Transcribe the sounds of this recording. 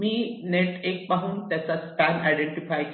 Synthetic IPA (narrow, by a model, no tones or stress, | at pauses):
mineʈek̚paɦũːnt̪jat͡saskana̰jɖeɳʈifajk